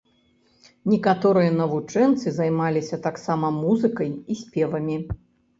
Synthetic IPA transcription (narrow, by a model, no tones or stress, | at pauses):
nʲɛkat̪ɔɾɨjɐnɐvut͡ʂɛnt̪sɨzajmalʲisʲɐt̪aksamɐmuzɨkɐjisʲpʲɛvɐmʲi